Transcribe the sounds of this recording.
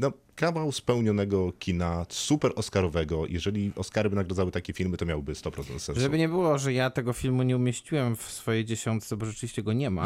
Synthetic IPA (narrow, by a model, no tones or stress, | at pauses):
nɔ | kavawspɛwɲɔnɛɡɔkʲʰinasupɛɾʔɔskaɾɔvɛɡɔjʔɛ̰ʐɛlʲiɔskaɾɘbɘnaɡɾad̪zawɘt̪akʲɛfʲilmɘt̪ɔmʲjawbɘst̪ɔpɾɔt̪ɛnt̪sɛʐɛbɘɲɛbɘwɔʐɛjat̪ɛɡɔfʲilmuɲɛumʲjeɕt͡ɕiwɛmfsfɔjejd͡ʑɛɕɔnt̪sɛbɔʐɛt͡ʂɘvʲiɕt͡ɕɛɡɔɲɛma̰